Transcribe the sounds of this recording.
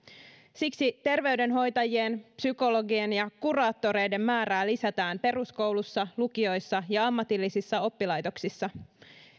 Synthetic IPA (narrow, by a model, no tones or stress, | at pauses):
siksit̪e̞rʋe̞yɥde̞nɦo̞jt̪ɑjie̞npsyko̞lo̞ɡie̞njɑkurɑːt̪ːo̞ɾe̞jde̞mːmæːɾæːlisæt̪æːmpe̞rusko̞wlusːɑlukio̞jsːɑjɑɑmːɑt̪ilːisisːɑo̞pːilɑjt̪o̞ksisːɑ